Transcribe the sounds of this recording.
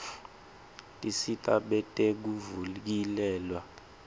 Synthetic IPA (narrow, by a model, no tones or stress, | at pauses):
tʼisitʼaɓɛtʼek̬uvulk̬ilɛːlwa